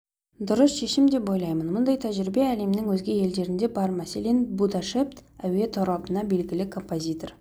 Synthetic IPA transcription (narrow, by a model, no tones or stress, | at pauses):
d̪ʊɾəsʃe̞ʃɪmd̪e̞po̞jlˠɑjmənmʊnd̪ɑjt̪ʰæʒɪɾibe̞æle̞mnɪŋwɵzɡʲe̞je̞ld̪e̞ɾɪnd̪e̞bɑɾmæse̞le̞nbud̪ɑʃe̞pt̪æwe̞t̪ʰoɾɑbənɑbe̞lɡʲɪlɪkʰo̞mpo̞zʲit̪o̞r